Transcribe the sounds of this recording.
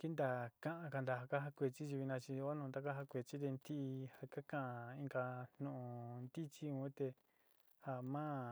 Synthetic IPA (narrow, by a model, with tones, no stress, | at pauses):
ki˦nd̪a˧˨kã˦ʔã˧ka˧nd̪a˧ɦa˧ka˦ɦa˧kʷe˧t͡ʃi˦t͡ʃi˧βi˧nã˧t͡ʃi˧o˦nũː˧d̪a˧ka˦ɦa˧kʷe˨t͡ʃi˦t̪e˧nt̪i˦ʔha˧ka˦kã˦˨ʔã˧ĩ˧ŋɡa˧n̥nũ˧ʔnd̪i˦t͡ʃi˦ũ˧˦t̪e˧ | ha˧mã˦